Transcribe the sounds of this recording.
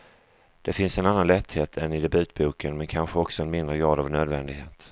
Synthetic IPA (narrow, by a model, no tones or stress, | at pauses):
d̪̥ɛfɪnsɛnanːanlɛt̪ːheːt̪ʰɛnɪd̪ɛbʉ̟ːt̪̚buːkənmɛnkʰanɧəɔksɔɛnmɪnd̪ɾəɡɾɑːd̪avnøːd̪vɛnd̪ɪɡɦeːt̪